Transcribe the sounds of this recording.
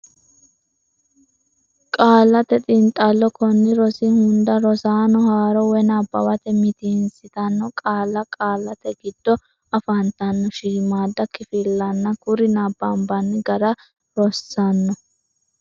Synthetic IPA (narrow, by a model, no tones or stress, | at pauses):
kʼaːlːɐt̪ɛt̪ʼɪnt̪ʼːɐlːɔkɔnːɪɾɔsɪhʊnd̪ɐɾɔsaːnɔhaːɾɔwɛnabːɐ̰wɐt̪ɛmɪt̪insɪt̪ɐnːɔkʼaːlːɐkʼaːlːɐt̪ɛɡɪd̪̥ːɔ | ɐfɐnt̪ɐnːɔʃiːmaːd̪ːɐkɪfɪlːɐnːɐkʊɾɪnabːɐmbɐnːɪɡɐɾɐ | ɾɔsːɐnːɔ